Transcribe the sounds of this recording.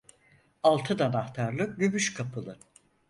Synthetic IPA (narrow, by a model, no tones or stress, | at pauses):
alˠt̪ʰɯd̪anaht̪ʰaɾlˠɯɟymyʃkʰapʰɯlˠɯ